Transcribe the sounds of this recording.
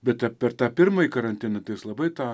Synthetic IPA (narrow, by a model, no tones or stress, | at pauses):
bʲɛt̪̚t̪ʲɐpʲɛrt̪ɑːpʲɪrmɐjikɐɾɐnʲt̪ʲɪnɐt̪ɐɪjɪslˠɐbɐɪt̪ɑː